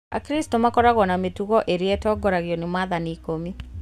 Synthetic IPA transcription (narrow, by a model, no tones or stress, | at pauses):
a̰kɾistomakɔɾaɣɔnametuɣɔʔeɾietɔɡɔɾaɣjɔnemaðanikomi